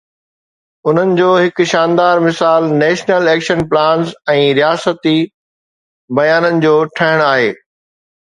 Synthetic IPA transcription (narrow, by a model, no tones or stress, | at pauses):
ʊn̤ənɪ̆d͡ʑoːɦɪkʊ̆ʃãːnd̪aːɾmɪsaːlnɛːʃnəlɛːkʃənplãːnzɛ̃ːɾijaːsət̪i | bɐjaːnənɪ̆d͡ʑoːʈʰɐɦɪɽ̃aːɦeː